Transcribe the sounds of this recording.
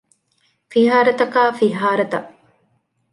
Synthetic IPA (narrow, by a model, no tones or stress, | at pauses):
fiɦaːɾɐt̪ɐkaːfiɦaːɾɐt̪ɐʔ